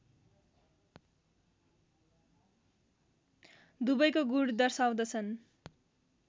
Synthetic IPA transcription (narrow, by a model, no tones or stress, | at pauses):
d̪ubʌjkoɡuɽd̪ʌrsaw̃d̪ʌt͡sʰʌn